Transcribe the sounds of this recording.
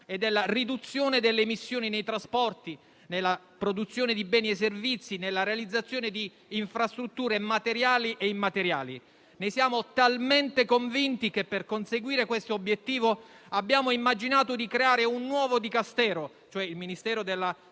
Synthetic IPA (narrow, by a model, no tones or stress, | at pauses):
ed̪elːarid̪ut̪sːjoːned̪elːemisːjoːninejt̪ɾaspɔrt̪i | nelːa | pɾod̪ut̪sːjoːned̪ibɛːnies̬ːervit̪sːinelːaɾealid̪zːat̪sːjoːned̪iː | ɱfɾast̪ɾut̪ːuːɾemat̪eɾjaːliʔeimːat̪eɾja̰ːli | nejsjaːmot̪alment̪ekoɱvint̪ik̟epːerkonseɡwiːɾekwest̪oːbjet̪ːiːvoabːjaːmoimːad͡ʒinaːt̪od̪ikɾeaːɾeunːwɔːvod̪ikast̪ɛːɾo | t͡ʃoɛilminist̪ɛːɾod̪elːa